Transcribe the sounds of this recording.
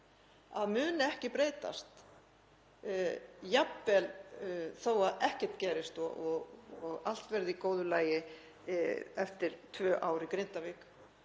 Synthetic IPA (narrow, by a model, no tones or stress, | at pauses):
aðmʏːnɪɛhcɪpɾeːjt̪a̰st̪ | japvɛlθoːwaðɛhcɛ̥t̪cɛːɾɪst̪ɔɔɣɔɣal̥t̪vɛɾðɪikoːwðʏlaːjɪ | ɛft̪ɪɾ̥t̪ʰvœːʔaːwɾɪikɾejn̥t̪avɪːk